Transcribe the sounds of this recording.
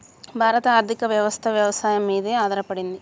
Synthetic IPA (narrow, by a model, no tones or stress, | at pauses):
bʱaːɾɐt̪ɐaːɾt̪ʰikɐʋjɐʋɐst̪ʰɐʋjɐʋɐsaːjɐmːiːðeaːd̪ɐɾɐpɐɽind̪i